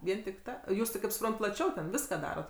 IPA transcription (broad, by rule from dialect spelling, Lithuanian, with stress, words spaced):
ˈʋʲiɛn tʲɪk ˈtɐ ˈjuːs tʲɪ ˈkɐɪp sʊˈprɐnt tʲɪ plˠɐˈt͡ʃʲɛʊ tʲɛn ˈʋʲɪskɐ ˈdɑːroːt